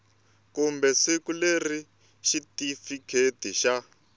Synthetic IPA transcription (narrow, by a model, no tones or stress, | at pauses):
kumbɛsikuleri | ʃitifikʰetiʃa